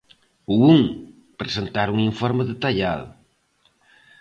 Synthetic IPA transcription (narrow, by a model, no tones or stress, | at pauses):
uuŋ | pɾesent̪aɾuŋiɱfɔɾmeðet̪aʎaðʊ̰